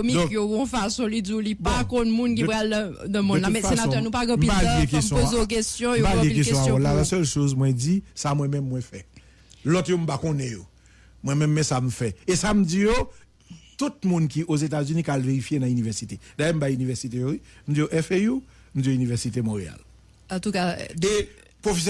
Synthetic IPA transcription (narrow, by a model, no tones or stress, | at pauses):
omid̃kjoɡɔ̃fasɔ̃lid͡ziulipakɔ̃nmũnkipʁal | dəmɔ̃nːlamɛfsaenãɛnũpaɣɛ̃m̩pipaljekesjɔ̃pozok̬estjɔ̃moalieilkesjɔ̃aɔlalasɛlʃozmwɛ̃d͡zisamwɛ̃mɛ̃mːwɛ̃fɛ | lɔtjom̩pakõnɛ̃jo | mwɛ̃mɛ̃mːɛ̃sam̩fɛesam̩d͡zijo | t̪ut̪̚mũnkiʔozet̬azynĩkalveʁifjenɐ̃ynivɛʁsited̪ajɛm̩bajynivɛʁsit̬ejoim̩d͡zijoʔɛfeju | m̩d͡zioynivɛʁsit̬emɔ̃ʁea̰l | ɑ̃t̪ukae | pʁofes